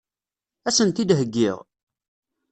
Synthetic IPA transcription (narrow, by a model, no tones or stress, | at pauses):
æsənt̪id̪ɦəɡːɪʁ